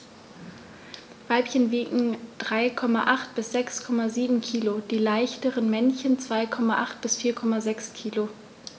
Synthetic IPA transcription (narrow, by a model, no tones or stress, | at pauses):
vaɪpçənviːʔŋ̩d̥ʁaɪkʰɔmaʔaχt̚b̥ɪsz̥ɛkskʰɔmaziːbm̩kʰiːlod̥iːlaɪçtəʁənmɛnçənt͡sv̥aɪkʰɔmaʔaχtb̥ɪsfiːɐkʰɔmazɛkskʰiːlo